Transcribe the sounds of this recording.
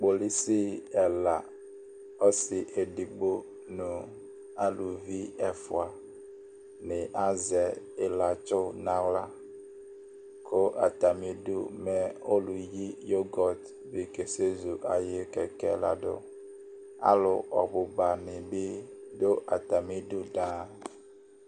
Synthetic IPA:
k͡po˨li˦si˦ɛ˨la˨ | o˦si˨ʔe˨di˨ɡ͡bo˦ | nũ˨ | a˦lu˨vi˦ɛ˨fʊ˨a˨ | nɪ̃˨ʔa˦zɛ˨ | e˨la˨t͡ʃʊ˦nã˨wla˦ | kʰo˦ʔa̰˨t̪a˨mĩ˦ɖu˦mɛ˨o˦lu˨ji˦jo˦ɡɔ˨t̪ | bi˨ke˨se˦zu˨ʔa˨je˦kɛ˨kɛ̰˦la̰˨ɖo̰˦ | a̰˦lʊ˨ɔ̰˨bu˨ba˨nĩ˨bi˦do˦ʔa˨t̪a˨mĩ˦ɖu˦ɖã˦

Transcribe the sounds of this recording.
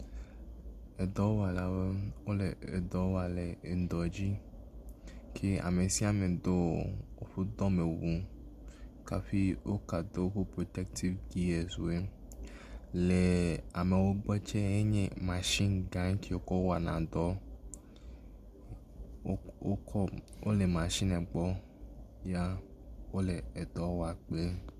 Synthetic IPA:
e˨d̪ɔ˦wa˨la˨we˦wo˦le˨e˨d̪ɔ˦wa˨le˨e˨nd̪ɔ˨d͡ʑi˦ | kʰe˦a̰˨me˨si˦a˦˨mẽ˨d̪o˦wo˦ɸu˦d̪ɔ˦mẽ˨wu˦ | ka˨ɸi˦wo˦ka˨d̪o˦ku˦pɾo˨t̪ɛ˦k̚t̪ʰi˦vɡi˦e˨zu˨e˦ | le˨a˨me˨wo˦ɡ͡bɛ˦t͡ʃe˦e˦ɲḛ̃˦mã˨ʃi˦nɡã˨˦ŋ˦ki˦o˦kɔ˦wa˨nã˨d̪ɔ˦ | wo˦le˨mã˨ʃi˦nɛ̃˨ɡ͡bɔ˦ | ja˦wo˦le˨e˨d̪ɔ˦wa˨k͡ple˦

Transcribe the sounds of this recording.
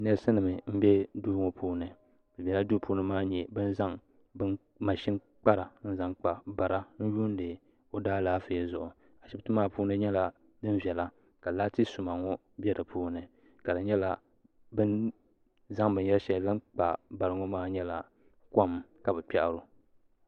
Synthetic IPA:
nɛ˦sɨ˦nɨ˨mɨ˨m̩˦bɛ˦duː˦ŋo˨pʰuː˦nɨ˨ | bɨ˨bʲɛ˨la˦du˦pʰuː˦nɨ˦maː˦ɲɛ˨bɨ˦n˦za˦ŋ | bɨ˦ | ma˨ʃi˦n | k͡pa˦ɾa˨n̩˦za˦ŋk͡pa˨ba˨ɾa˦n̩˦juː˦n˦dɨ˨ | o˦daː˦laː˦fɨ˨˦ɛ˦zʊ˨ʔʊ˨ | a˨ʃɪ˦tɨ˦maː˦puː˦nɨ˦ɲɛ˦la˨ | dɨ˦nvɛ˨la˦ | ka˨laː˦tɨ˦sʊ˨ma˨ŋɔ˦ | bɛ˦dɨ˨pʰuː˦nɨ˨ | ka˨dɨ˨ɲɛ˦la˨ | bɨ˦n | za˦ŋbɨ˨n˦ɛ˦lʃɛ˦˨lɨ˦ŋk͡pa˨ba˨ɾɨ˦ŋo˦maː˦ɲɛ˦la˨ | kɔ˦m˨ka˨bɛ˨pɛ˦ʔa˨ɾʊ˨

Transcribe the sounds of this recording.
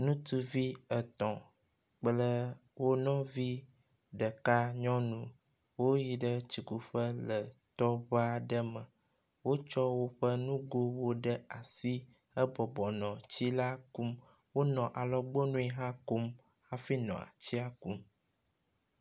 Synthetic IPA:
nũ˦t̪u˦vi˦ə˨t̪ɔ̃˨ | k͡plə˦wo˦nɔ̃˦vi˦ | ɖə˨ka˦ɲɔ̃˦nũ˦ | wo˦ji˨ɖə˦t͡ɕi˨ku˨ɸə˦lə˨t̪ɔ˦βa˦ɖə˦mə̃˨ | wo˦t͡ʃɔ˦wo˦ɸə˦nũ˦ɡo˦wo˦ɖə˦a˨si˦ | ə˦bɔ˨bɔ˨nɔ̃˨t͡ɕi˦la˦ku˦m | wo˦nɔ̃˨ʔa˨lɔ˦ɡ͡bo˦nũ˦i˦ɦã˦ko˦m | a˦fi˦nɔ̰̃˨a̰˨t͡ɕi˦a˦ku˦m

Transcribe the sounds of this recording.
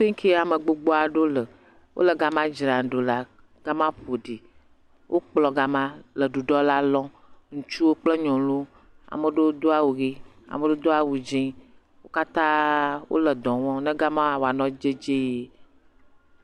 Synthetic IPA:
ɸe˦ŋ˦kʰi˦a˨mə˨ɡ͡bo˨ɡ͡bo˦a˨ɖo˦lə˨ | wʔo̰˦lə˨ɡa˦mã˦d͡ʒɾã˨ɖo˨la˨ | ɡ̥a˦mã˦ɸo˨ɖi˨ | wʔo˦k͡plɔ˨ɡa˦mã˦lə˨ɖu˨ɖɔ˦la˦lɔ̃˦ | ŋũ˨t͡ʃu˦wo˦k͡plə˦ɲɔ̃˨lu˦ | a̰˨mə˨ɖe˦wo˦d̪o˦a˦˨wu˨ɣi˦ | a̰˨mə̃˨ɖe˦o˦d̪o˦a˦wu˨d͡ʒĩ˦ | wo˦ka˦t̪ã˦wʔo̰˦lə˨d̪ɔ̃˨wɔ̃˦nɛ̃˦ɡa˦mã˦a˨wa˨nɔ̃˦d͡ʒe˦d͡ʒe˦je˦

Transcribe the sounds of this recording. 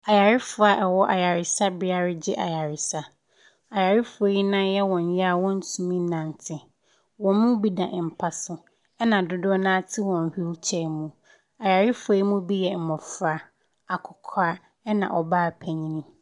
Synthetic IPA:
a˨ja˨ɾɪ˦fʊ˨a˨ʔɛ˨wɔ˦ʔa˨ja˨ɾɪ˨sa˦bɪ˦a˨ɾɪ˦d͡ʑɪ˦ʔa˨ja˨ɾɪ˨sa˦ | a˨ja˨ɾɪ˦fʊ˨ɔ˦i˦nã˦jɛ˦wɔ̃˨ɲ˦ja˦a˨wɔ̃˦n̩˦sũ˨mĩ˦nã˨n˨tʰɪ˨ | wɔ̃˨mũ˦bi˦dã̰˨ʔm̩˨pʰa˦sʊ˦ | ɛ˦nã˨dʊ˦dʊ˦ɔ˦nã˦tʰɪ˦wɔ̃˨n̩˨hu˦lt͡ɕʰɛ˦˨mũ˨ | a˨ja˨ɾɪ˦fʊ˨ɛ˨˦i˦mũ˦bi˦jɛ˨m̩˨mɔ̃˨fʊ˦a˨ | a˨kʰʊ˨kʰa˦ | ɛ˦nã̰˨ʔɔ˨baː˦˨pʰɛ˨ɲĩ˦nĩ˦

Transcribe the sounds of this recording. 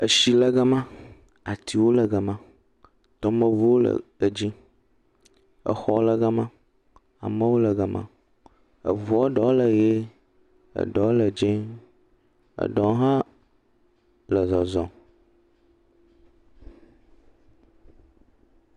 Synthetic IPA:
ə˨ʃi˨lə˨ɡə˦mã˦ | a˨t̪i˨wo˦lə˨ɡə˨mã˦ | t̪ɔ˦mə˦vu˦wo˦lə̰˨ə˨d͡ʒĩ˦ | ə̰˨xɔ˨lə˨ɡə˦mã˦ | a̰˨mə˦wo˦lə˨ɡə˨mã̰˦ | ə̰˨vɔ˦ɖɔ˨˦lə˨je˦ | ə̰˨ɖɔ˨˦lə˨d͡ʒẽ˦ | ə̰˨ɖɔ̃˨˦ɦã˦ | lə˨zɔ˨zɔ̃˨

